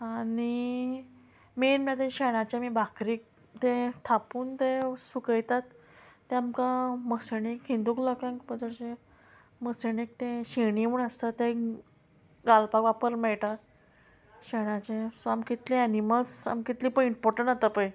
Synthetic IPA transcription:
aɽ̃i | menmt̪eɕɛɽ̃at͡ɕemiːbʱakɾiːk̚ | t̪et̪ʰapuːnt̪esukəjt̪at̪ː | eamkaməseɽikɦind̪uklɔkãŋkbəd͡zəɾt͡ɕe | məsenek̚t̪ẽɕeɽ̃iuɳəst̪at̪ẽ | ɡalpakʋapəɾmɛɭʈ̪a | ɕeɽ̃at͡ɕẽsoamkit̪liɛniməlsa̰mkit̪liːpəiɳpɔɾʈəɳat̪apəj

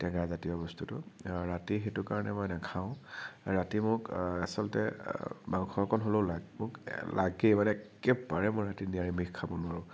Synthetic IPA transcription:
tɛɡazatijɔbɔstutʊɹatixetʊkaɹɔnɛmɔjnakʰaʊ̃ɹatimʊɹkasɔlɔtɛ̰manuxʰɔɹkʰɔnɦoloʊladmʊklaɡemanɛkɛbaɹɛmʊɹatinijaɹimikkʰːabɔnʊaɹʊ̃

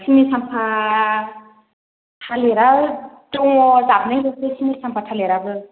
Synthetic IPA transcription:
sʰimisampʰa | tʰaleɾa | tɔŋzap̚najlɯsʰɯsʰimitsampʰatʰaleɾabɯ

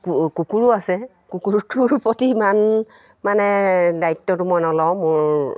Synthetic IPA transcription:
kkukuɹuasɛ | kukuɹutuɹpɔtiman | manɛdaitːɔtʊmɔjnɔlɔw̃mʊɹ

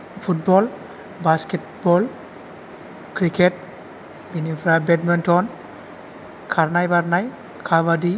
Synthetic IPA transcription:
pʰut̚bɔl | basket̚ | bɔl | kɾikʰet̚ | binipʰɾabɛtmɔntʰɔn | kʰaɾnajbaɾnaj | kʰabadi

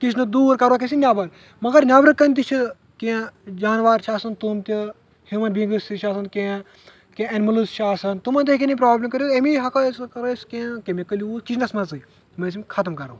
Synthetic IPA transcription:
kit͡ʃʰnɨd̪uːɾkɐɾokʲesinʲaːbɐɾ | mɐɡɐɾnʲaːbɾɨkɐnt̪it͡ʃʰɨ | kẽd͡ʒaːnʋaːɾt͡ʃʰaːsɐnt̪umt̪ʲi | himɐnbĩŋɡɨsiʃʰaːs̬ɐnkʲẽ | kẽɐnmɐlusʃaːsɐnt̪umɐnt̪ʲekʲenipɾaːblɐmkɐɾʲot̪emiɦɐkɐskɐɾɐskẽkemʲekəlʲiuːskit͡ʃʰnɐsmɐzɨ | mɐs̬imʲkʰɐt̪ɐmkɐɾo̰

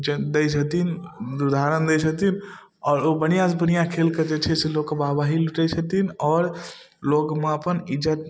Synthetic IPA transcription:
d͡ʒd̪əjt͡ʃʰət̪inɾud̪ʱaɾənd̪ət͡ʃʰət̪in | ɔːɾobəñijãsbənijãkʰelked͡ʒet͡ʃʰɛseloɡkːebabaɦiluʈəjt͡ʃʰət̪inɔːɾ | lokmeəpənid͡ʒət̪

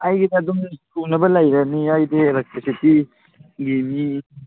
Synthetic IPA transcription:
ajɡidɐɐd̪uŋsunɐbɐlajɾɐniajdeːlek̚tɾisiti | ɡimi

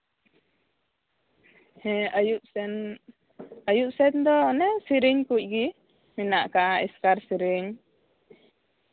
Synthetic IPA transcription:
hɛajuʔɛn | ajuʔsɛnd̪ɔnɛsiɾiɲkuc̚ɡi | minaʔkaʔaḭskaɾsiɾiɲ

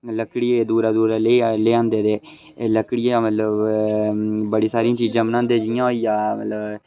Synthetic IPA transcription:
ləkɽieːd̪uːɾaːd̪uːɾaːleleːãːnd̪eːd̪eː | ləkɽiẽːmət̪ləb | bəɽiːsaːɾijãːt͡ʃiːd͡ʒãːmənãːnd̪eːd͡ʒɪjãːɦoijãːmə̰t̪ləb

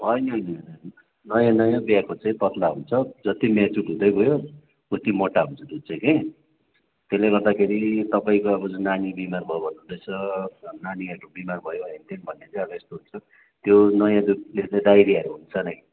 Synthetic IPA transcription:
bʱʌjnʌnʌ | nʌjãnʌjãbjakot͡sʌĩpʌt̪laɦunt͡sʰʌd͡zʌt̪imat͡suʈɦũd̪ʌjbʱojo | kut̪imoʈaɦunt͡sʰʌd̪ut͡sʌĩkij | t̪eleɡʌrd̪akʰeɾit̪ʌpaĩkoʌbʌd͡zunanibimarbʱʌjobʱʌnːũd̪ʌjt͡sʰʌnaniaʈubimarbʱʌjobʱʌint̪enbʱʌnːet͡sʌ̃j̃ʌbʌest̪oɦunt͡sʰʌ | t̪jonʌjãd̪uk̚lelajd̪ajɾiʌɾuɦunt͡sʰʌnʌj

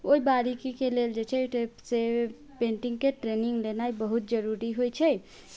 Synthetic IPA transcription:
oibaɾikikeleld͡ʒet͡ʃʰɛese | peɳʈiŋɡkeʈɾeniŋɡlenajbəɦut̪̚d͡ʒəɾuɾiɦojt͡ʃʰɛ

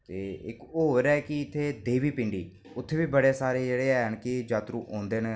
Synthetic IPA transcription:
t̪eːɪkoːɦoːɾaːkɪɪt̪ʰːeːd̪eːʋiːpɪ̃ɳɖiː | ʊt̪ʰːeːbiːbəɽeːsaːɾeːd͡ʒeːɽeːɛənkɪd͡ʒaːt̪ɾuːʔõːnd̪eːne

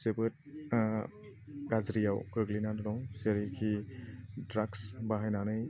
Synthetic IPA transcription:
sebɯt̚ | ɡazɾijawɡɯɡlinadɔnɔwseɾikʰi | dɾaksbaɦajnanɯj

